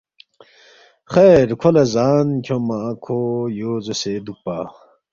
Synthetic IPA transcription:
xeɾkʰolezaːnkʰomakʰojoːzesed̪upaː

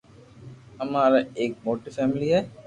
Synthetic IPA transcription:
ɐmaːləek̚moʈːəfæmilija

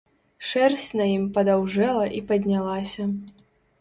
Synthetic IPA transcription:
ʂɛrsʲnɐjimpɐd̪awʐɛlˠɐʔipɐd̪ʲnʲalˠasʲɐ

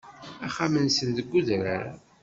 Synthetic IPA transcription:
æχamənsənðəɡːuðɾaɾ

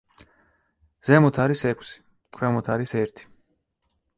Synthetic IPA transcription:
z̥ɛmɔt̪ʰaɾisɛkʰʼsi̥ | t̪ʰwɛmɔt̪ʰaɾisɛɾt̪ʰi̥

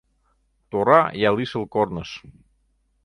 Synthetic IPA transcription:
t̪orajalisəlˠkɔɾnəs

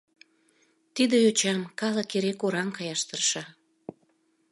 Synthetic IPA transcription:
t̪id̪ejot͡ɕɑmkɑləkeɾekoɾɑmkɑjɑʃt̪ərʃɑ

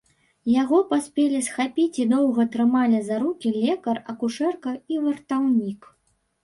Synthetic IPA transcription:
jaɣɔpasʲpʲɛlʲisxapʲit͡sʲid̪ɔwɣɐt̪ɾɨmalʲizaɾukʲilʲɛkɐrɐkuʂɛrkɐivɐrt̪awnʲik

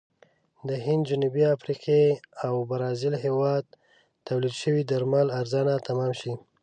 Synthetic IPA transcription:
d̪əɦɪnd̪d͡ʒanubiafɾiqʰeawbaɾɑzɪlɦewɑd̪̚ | t̪awlid̪ʃəwid̪aɾmalaɾzɑnat̪ʰamɑmʃi

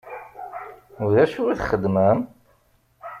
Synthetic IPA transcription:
ʊðæʃuiθχəd̪məm

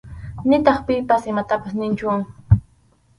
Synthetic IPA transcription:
nɪt̪ɑχpɪpasɪmat̪apasnɪnt͡ʃʊ

